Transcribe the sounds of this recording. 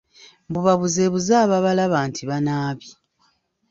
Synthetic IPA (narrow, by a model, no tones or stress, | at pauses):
mbuβaβuzeːβuzaːβaβalaβaːntiβanaːβi